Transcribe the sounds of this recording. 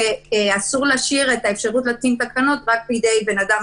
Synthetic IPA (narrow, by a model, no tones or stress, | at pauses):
asuʁlaʃiʁe̞tae̞fʃaʁutlatint̪akano̞tʁak̚pid̪e̞jbe̞nadam